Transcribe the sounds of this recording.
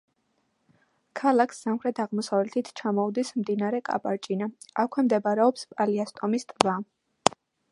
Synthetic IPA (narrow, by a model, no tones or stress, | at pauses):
kʰalˠakʰsːamχɾɛt̪ʰaʁmɔsavlɛt̪ʰit̪ʰt͡ʃʰamɔud̪ismd̪inaɾɛkʼa̰pʼaɾt͡ʃʼinaakʰwɛmd̪ɛbaɾɛɔpspʼaliast̪ʼɔmist̪ʼva